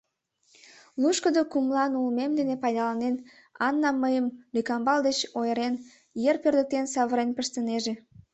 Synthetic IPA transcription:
luʃkəd̪okumlɑnulmemd̪enepɑjd̪ɑlɑnen | ɑnːɑmːəjəmlikɑmbɑld̪et͡ɕojəɾen | jerpørd̪ək̚t̪ensɑβəɾenpəʃt̪əneʒe

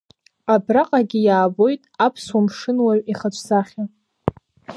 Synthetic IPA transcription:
abraqʼaɡʲɪjaːbo̞jtʼapʰswamʂɨnwaɥiχat͡ʃʷʰʼzaχʲa

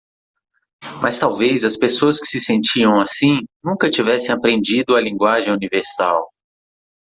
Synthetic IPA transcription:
mɐst̪awvejzɐspesoɐskɪ̥sɪsẽnt͡ʃiɐ̃w̃asĩnũkɐt͡ʃivɛsẽapɾẽnd͡ʒid̪ʊɐlĩɡwaʒẽj̃univeɾsa̰w

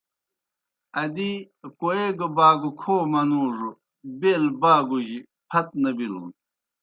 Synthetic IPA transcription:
ɐd̪i | koeɡɐbaːɡukʰoːmɐnuːʐu | beːlbaːɡuʑi | pʰɐt̪̚nɐbilṵn

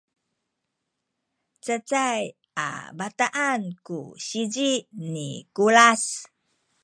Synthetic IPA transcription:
t͡sət͡saj | a̰bataʔankṵɕid͡ʒiʔnikulas

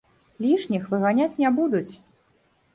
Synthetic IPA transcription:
lʲiʂnʲixvɨɣanʲat͡sʲnʲɛbud̪ut͡sʲ

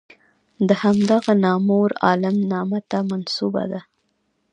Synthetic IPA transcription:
d̪əhamd̪aɣanɑmoɾɑ̰lamnɑmat̪amansuba̰d̪a

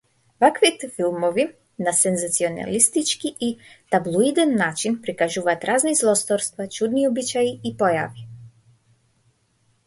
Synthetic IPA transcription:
vakvit̪ɛfilˠmɔvi | nasɛnzat̪siɔna̰list̪it͡ʃkiʔːt̪ablˠuid̪ɛnːat͡ʃinpɾikaʒuvaːt̪ɾaznizlˠɔst̪ɔɾst̪vat͡ʃud̪niɔbit͡ʃaiipɔja̰vi

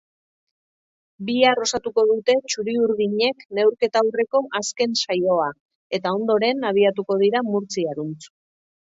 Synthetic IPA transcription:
biaro̞sat̪uko̞ðut̪e̞t͡ʃuɾiuɾðiɲe̞kne̞wɾke̞t̪aːwre̞ko̞ʔaske̞nsajo̞a | e̞t̪ao̞nd̪o̞ɾe̞naβ̞iat̪uko̞ð̞iɾamuɾt͡siaɾunt͡su̥

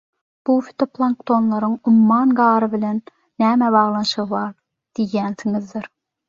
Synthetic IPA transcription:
b̥ufi̥t̪ʰoplˠɑŋkt̪ʰonlˠɑɾɯŋʊmːɑnɡɑːɾɯbɪlɛnː | æːmæbɑʁlˠɑnʃɯʁɯvɑɾ | d̪̥ijænsiŋɪzd̪ɪɾ

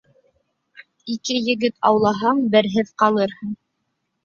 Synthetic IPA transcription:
ikɘjɘ̆ɡɘt̪ɑwlˠɑɦɑɴbɘ̆ɾɦɘðqɑlˠɤɾhɤɴ

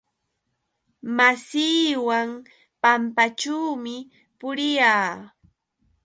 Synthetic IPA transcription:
masiːwaŋ | pampat͡ʃuːmɪ | pʊɾɪjaː

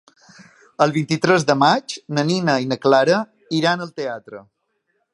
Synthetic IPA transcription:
əlˠβint̪it̪ɾɛzðəmad͡ʒnəninəinəklaɾə | iɾanəlˠt̪eat̪ɾə̰

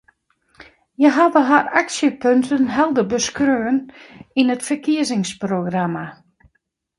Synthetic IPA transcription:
jəɦaʋəɦaraksjəpøntənɦɛlˠdəbəskrøːəninətfəkiəzɪŋsproɡrama

